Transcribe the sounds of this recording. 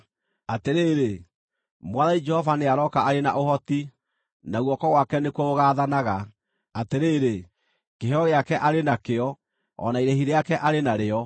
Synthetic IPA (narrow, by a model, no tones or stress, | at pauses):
ateɾeːɾe | mwaðaid͡ʒɛhɔvaneaɾɔkaaɾena̰ʔohɔti | naɣwɔkɔɣwakɛnekooɣaːðanaɣa | ateɾeːɾe | keɦɔɣeakɛʔaɾenakeɔ | ɔ̰naiɾehiɾeakɛʔaɾenaɾeɔ